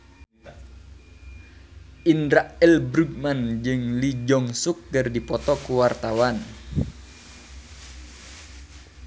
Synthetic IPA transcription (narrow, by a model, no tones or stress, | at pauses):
ʔindɾaʔɛlbɾuɡ̚mand͡ʒɨŋlid͡ʒɔŋsuk̚ɡɨrdipɔt̪ɔkuwart̪awan